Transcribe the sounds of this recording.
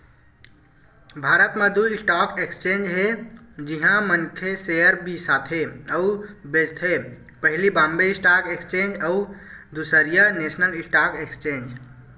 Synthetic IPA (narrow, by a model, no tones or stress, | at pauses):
bʱaɾət̪mẽd̪uisʈakekst͡ʃend͡ʒɦe | d͡ʒiɦãmənkʰesejəɾbisat̪ʰɦeəubed͡ʒt̪ʰɦe | pəɦilibãmbeisʈakekst͡ʃend͡ʒəud̪usəɾijənesnəlisʈakekst͡ʃẽnd͡ʒ